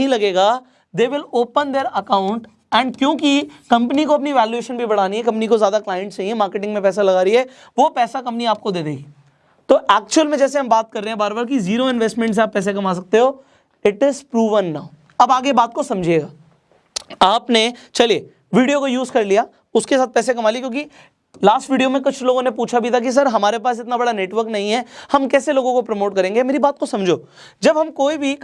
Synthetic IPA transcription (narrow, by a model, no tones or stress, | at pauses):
ĩlɐɡeːɡaː | d̪eːʋɪloːpə̃nd̪eːɾɐkãːʊ̃ɳʈ | ɛ̃ɳɖkjõːkikɐ̃mpənikoɐp̬niʋɛːljueːʃə̃nbʱibɐɽ̤aːniɦɛkɐ̃mpnikozjaːd̪aklaːɪə̃ɳʈst͡ʃaːɦiɛ̃maːɾkeʈɪ̃ŋɡmẽpɛːs̬alɐɡaːɾɐiɦɛː | ʋoːpɛːsakɐ̃mpniaːp̚kod̪eːd̪eːɡiː | t̪oːʔɛːk̚t͡ʃuəlmẽd͡ʒɛːseɦɐmbaːt̪̚kɐɾːeːɛ̃baːɾbəɾk̬iziːɾoɪ̃nʋesʈmɛ̃ɳʈs̬eaːpːɛːs̬ek̬ɐmaːs̬ɐk̚t̪eɦoː | ɪʈɪzpɾuːʋənːaːʊ | ɐbaːɡebaːt̪̚kosɐ̃md͡ʒʱeːɡaː | aːpnet͡ʃɐlie | ʋiːɖijokojuːzkɐɾlijaː | ʊskesaːt̪̚pɛːsek̬ɐmaːlikjõːki | laːsʈʋiːɖijomẽkʊt͡ʃʰloːɡõnep̬uːt͡ʃʰabʱit̪ʰak̬is̬ɐɾɦɐmaːɾepaːs̬ɪt̪nabɐɽaneːʈʋəɾknɐɦĩɦɛhɐmkɛːseloːɡõkopɾɐmoːʈkɐɾẽːŋɡemeːɾibaːt̪̚kosɐ̃md͡ʒʱoː | d͡ʒɐbɦɐmkoːibʱi